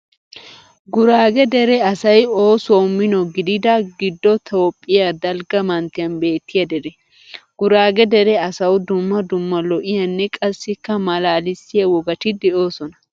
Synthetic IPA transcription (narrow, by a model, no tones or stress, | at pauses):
ɡʊɾaːɡɛd̪ɛɾɛɐsɐjo̞ːsoːmːɪnɔɡɪd̪ɪd̪ɐɡɪd̪ːɔt̪ʰoːpʼːɪjad̪ɐlɡɐmɐnt̪ːɪjɐnbe̞ːt̪ːɪjɐd̪ɛd̪ɛ | ɡ̥ʊɾaːɡɛd̪ɛɾɛɐsɐwd̪ʊmːɐd̪ʊmːɐlɔʔɪjɐnːɛkʼɐsːɪkːɐmɐlaːlɪsːɪjɐwɔɡɐt̪ɪd̪ɛʔo̞ːsɔnɐ